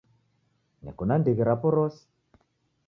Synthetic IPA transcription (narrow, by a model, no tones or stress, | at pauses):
nɛ̰kunandiɣɛɾapɔɾɔsi̥